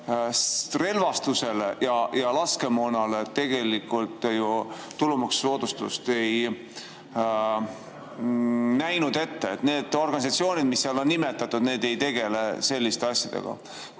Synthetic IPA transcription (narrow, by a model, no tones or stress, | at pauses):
re̞lvɑst̪use̞lejɑjɑlɑske̞monɑlet̪ːe̞ɡ̥e̞likːˑult̪ːˑjuː | ulumɑksːo̞ːd̪̥ust̪ṵst̪e̞j | næjnud̪̥e̞t̪ːeːt̪ne̞ːd̪̥o̞rɡ̥ɑnisɑt̪sio̞ːnʲid̪̥misːeiɑlo̞nːime̞t̪ːˑɑt̪ːud̪̥ne̞ːd̪e̞jt̪e̞ɡ̥e̞lese̞lʲːist̪eɑsʲjɑ̰d̪̥ḛɡ̥ɑ̰